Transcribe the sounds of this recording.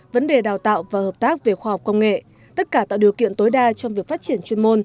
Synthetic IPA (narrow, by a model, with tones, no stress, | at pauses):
və˨˦nɗe˨˩ɗaː˨˩wt̪a̰ː˧˨wvaː˨˩həː˨˩p̚t̪aː˦˥k̚ve˨˩xwaː˧hɔ˨˩p̚kə˧wŋ͡mŋḛ˧˨ | t̪ə˦˥t̚kaː˧˩t̪a̰ː˧˨wɗi˨˩əkḭ˧˨ənt̪o˨˦jɗaː˧t͡ɕɔ˧ŋ͡mvi˨˩ək̚fa˦˥t͡ɕi˧˩ənt͡ɕwi˧ənmo˧n